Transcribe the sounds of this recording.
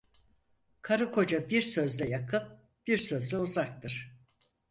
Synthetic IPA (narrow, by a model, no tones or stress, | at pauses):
kʰaɾɯkʰo̞d͡ʒabiɾsø̞zlʲɛjakʰɯp̚ | b̥iɾsø̞zlʲɛuzakt̪ʰɯɾ̥